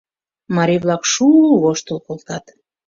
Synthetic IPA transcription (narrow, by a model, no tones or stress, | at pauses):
mɑɾʲiβlɑkʃuβoʃt̪əlkolt̪ɑt̪